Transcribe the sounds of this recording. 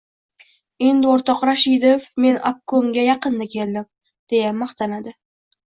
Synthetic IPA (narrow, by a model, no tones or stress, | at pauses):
ɪnd̪oɾt̪ɒqɾaʃid̪efme̞nʔa̰p̚kʰoŋɡʲajɑqɨnd̪akʲʰe̞ld̪ɪm | d̪̥e̞jamːɑχt̪ʰanad̪ɪ